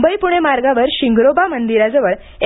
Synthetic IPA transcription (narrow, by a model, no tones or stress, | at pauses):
bəipuɽ̃emaɾɡaʋəɾɕiŋɡɾobamənd̪iɾad͡zəʋəɭ | e